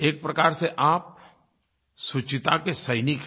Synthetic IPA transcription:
eːk̚pɾɐkaːɾseʔaːp̚ | sʊt͡ʃɪt̪akesəɪnik

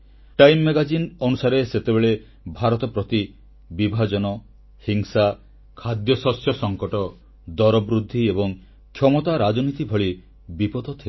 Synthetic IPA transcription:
ʈajmːeɡad͡ʒinɔnusaɾeset̪ebeɭe | bʱaɾɔt̪ɔpɾɔt̪i | bibʱad͡ʒɔnɔ | hiŋsa | kʰad̪jɔsɔsjɔsɔŋkɔʈɔ | d̪ɔɾɔbɾud̪ʱːiebɔŋ | kʰjɔmɔt̪aɾad͡ʒɔnit̪ibʱɔɭi | bipɔd̪ʱɔt̪ʰil

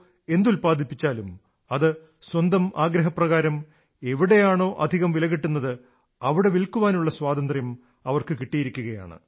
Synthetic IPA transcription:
e̞nd̪ulpaːd̪ʱipːit͡ɕːaːlum | ɐðɨ | swɐnd̪ɐmaːɡɾɐɦɐprɐɣaːɾɐm | e̞ʋiɽe̞jaːɳo̞ːʔɐd̪ʱiɣɐmʋilɐɣiʈːunːɐðɨ | ɐʋiɽe̞ʋilkuʋaːnuɭːɐswaːd̪ɐnd̪rjɐm | ɐʋɐrkɨkiʈːijiɾikʲːuɣɐja̰ːɳɨ̰

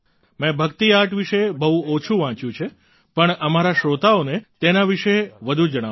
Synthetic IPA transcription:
mɛ̃bʱəkt̪iaʈʋiʃebəɦũot͡ʃʰuʋãt͡ʃjũt͡ʃʰe | pəɳəmaɾaʃɾot̪aonet̪enaʋiʃeʋəd̪ʱũd͡ʒəɽ̃a

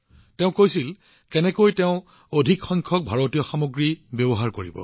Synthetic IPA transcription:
tɛʊ̃kojsil | kɛnɛkojtɛʊ̃ | odʱikxɔŋkʰɔk̚bʱaɹotijɔxamoɡɹibjɔbɔɦaɹkoɹḭbɔ̰

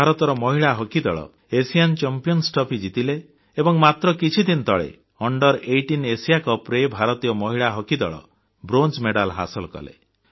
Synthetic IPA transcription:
aɾɔt̪ɔɾɔmɔɦiɭaɦɔkid̪ɔɭɔ̰ | esijant͡ʃɔmpijɔnsʈɔpid͡ʒit̪ile | ebɔŋmat̪ɾɔkit͡ʃʰid̪int̪ʰɔɭḛ | ɔɳɖɔɾejʈinesijakɔpɾebʱaɾɔt̪ijɔmɔɦiɭaɦɔkid̪ɔɭɔ̰ | bɾont͡ʃmeɽalɦa̰sɔlkɔ̰lḛ

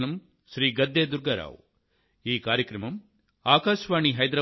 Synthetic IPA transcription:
nɐm | ʃɾiːɡɐd̪ːeːd̪uɾɡɐɾa̰ːʋ | iːkaːɾjɐkɾɐmɐm | aːkaːʃʋaːɳiɦɐjd̪ɾɐ

